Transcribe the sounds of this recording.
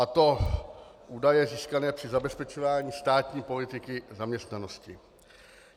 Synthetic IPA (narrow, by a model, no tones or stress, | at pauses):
at̪o̞ | ʔuːdajɛziːskanɛːpr̥ɪzabɛspɛt͡ʃovaːɲiːst̪aːt̪ɲiːpo̞lɪt̪ɪkɪzamɲɛst̪nano̞scɪ